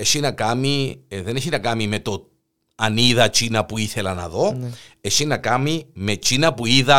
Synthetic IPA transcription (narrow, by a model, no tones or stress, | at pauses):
esinɐkɐmiðe̞neçinɐkɐmime̞t̪o̞ | ɐniðɐt͡ʃinɐpuiθe̞lɐnɐ̰ðo̞e̞sinɐkɐmime̞t͡ʃinɐpuiðɐ